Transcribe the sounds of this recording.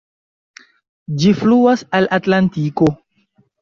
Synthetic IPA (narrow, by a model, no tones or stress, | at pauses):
d͡ʒifluasalʔatlantiko̞